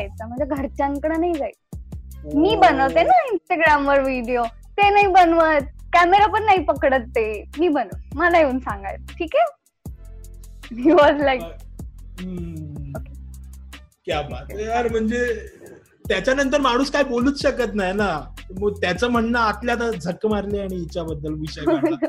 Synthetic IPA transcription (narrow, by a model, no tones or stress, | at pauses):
jt͡səm̤əɳd͡zeɡʱəɾt͡ɕãŋkəɽənaɦid͡zaj | miːbənəʋt̪enainsʈəɡɾamʋəɾʋiɽjo | t̪enaɦibənʋət̪̚kæmeɾapəɳnaɦipəkɽət̪ːemiːbənəməlajeuːnsãŋɡa̰jt̪̚ʈʰiːke | miʋɔd͡zlaikː | oke | kjabɭatəɾm̤əɳd͡ze | t̪jat͡ɕjanənt̪̬əɾmaɽ̃uːskaɦiboluːt͡sɕəkət̪najnaməɡ̚t̪jat͡səm̤əɳnaːt̪ljat̪̬ad͡zʱəkːmaɾleaɽ̃iit͡ɕjabəd̪ːəlʋiɕə